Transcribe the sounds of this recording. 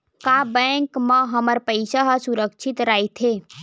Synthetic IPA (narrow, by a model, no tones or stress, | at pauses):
kaːbɛ̃ːŋkmãɦɐməɾpəɪsaɦasʊɾəkʃʰɪt̪ɾaːit̪ʰeː